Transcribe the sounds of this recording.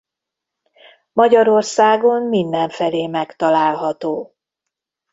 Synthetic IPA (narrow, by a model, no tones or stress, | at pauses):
mɒɟɒɾo̞rsaːɡo̞mmind̪ɛɱfɛleːmɛkt̪ɒlaːlɦɒt̪oː